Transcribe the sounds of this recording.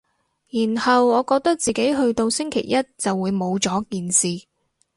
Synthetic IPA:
jiː˨˩nhɐ˨wɔː˨˧kɔː˧k̚t̪ɐ˥k̚t͡siː˨ke˨˥jɦɵ˧ɥt̪o˧wsɪ˥ŋkʰḛ˨˩jːɐ˥t̚t͡sɐ˨wːuː˨˧jmo˨˧wt͡sɔː˨˥kiː˨nsiː˨

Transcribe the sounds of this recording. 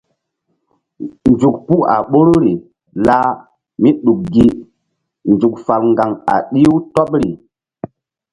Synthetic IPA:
nd͡ʒu˨kpu˦ka̰˨ɓo˦ɾo˦ɾi˨ | la˦ | mi˦ɗu˨k̚ɡi˦ | nd͡ʒu˨k̚fa˨lŋɡa˨ŋa̰˨ɗi˦wtɔ˦p̚ɾi˨

